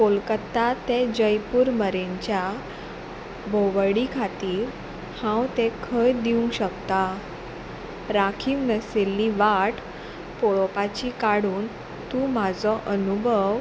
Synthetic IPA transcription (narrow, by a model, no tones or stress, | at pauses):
kolkət̪ːat̪ed͡ʑəjpuːɾməɾeɲt͡ɕja | bʱoʋɽikʰat̪iːɾ | hãwt̪ekʰəjd̪iũŋkɕəkt̪a | ɾakʰiːwnəselːiʋaʈ | poɭɔpat͡ɕikaɽuːn | t̪ũmad͡zɔʔənubʱəʋ